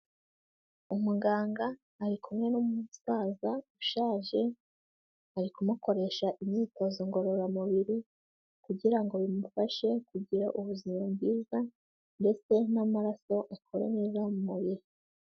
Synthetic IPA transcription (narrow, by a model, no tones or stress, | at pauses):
umuɡaːŋɡaː | ɾikumŋe̞numusaːzauʃaːʒe̞ | aɾikumuko̞ɾe̞ʃaʔimɲiːto̞zoŋɡo̞ɾo̞ɾamuβiɾi | kuɟiɾaŋɡo̞βimufaʃe̞kuɟiɾaʔuβuzimamɡiːza | nde̞t͡se̞namaɾaso̞ʔakʰoɾḛneːzamumuβiɾi